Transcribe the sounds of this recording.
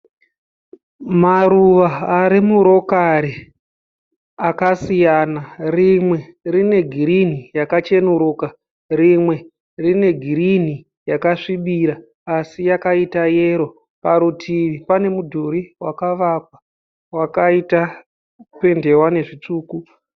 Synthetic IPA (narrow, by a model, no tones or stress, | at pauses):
maɾuʋaːɾimuɾo̞kaɾi | akasijanarimwe̞rine̞ɡʱiɾinijakat͡ʃe̞nuɾuːka | rimwe̞ | rine̞ɡʱiɾini | jakaʂiɓiɾaː | sijakaitaje̞ːɾo̞ | paɾutʰiʋipane̞mudʱuɾiwakaʋakwa | wakaita | pe̞nde̞wane̞ʐit͡ʂuːku